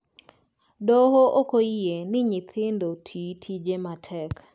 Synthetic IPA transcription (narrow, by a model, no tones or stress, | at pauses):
dohoʔokoijenɪɲɪt̪ʰɪndotʰitʰid͡ʒematʰɛk